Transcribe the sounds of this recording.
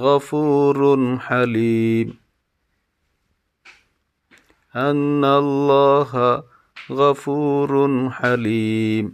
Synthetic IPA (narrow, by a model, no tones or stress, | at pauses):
ɣafuːɾħaliːm | ʔanːalˤːɑːɦa | ɣafuːɾħaliːm